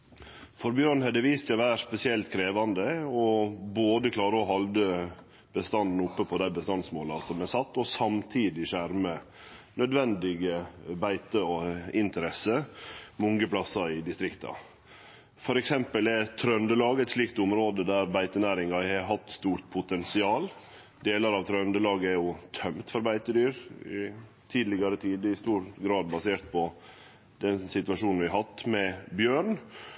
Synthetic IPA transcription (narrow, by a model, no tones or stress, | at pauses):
fɔɾbjøːɾɳhɛd̪əʋiːst̪ʋæːspɛsɪɛlt̪kʰɾeːʋɑnd̪əɔboːd̪əkʰlɑːɾəɔɦɑld̪ə | b̥əst̪ɑnd̪n̩ʊpːəpʰɔd̪æɪbəst̪ɑnsmoːlɑsɔmɛsɑt̪ːɔsɑmt̪ʰiːd̪ɪʃæɾmə | nœd̪ʋɛnd̪ɪɡəbæɪt̪əɪnt̪əɾɛsəmɔŋɡəpʰlɑsɑɪd̪ɪst̪ɾɪkt̪ɑ̰ | fɔɾɛksɛmpəlɛɾt̪ʰɾœnd̪əlɑːɡɛt̪sliːk̚t̪ʊmɾoːd̪əd̪æɾbæɪt̪ənæːɾɪŋɑhɛɾɦɑt̪ːst̪uːɾt̪̚pʰʊt̪ʰɛnsɪɑːl | d̪eːlɑɾɑʋt̪ʰɾœnd̪əlɑːɡəæɾjʊt̪ʰœmt̪fɔɾbæɪt̪əd̪yːɾɪ̰ | t̪ʰiːd̪lɪɡɑɾət̪ʰiːd̪ɪst̪uːɾɡɾɑːd̪bɑseːɾt̪̚pʰɔ | d̪ɛnsɪt̪ʋɑʂuːnn̩ʋɪɦɑt̪ːmɛbjøːɳ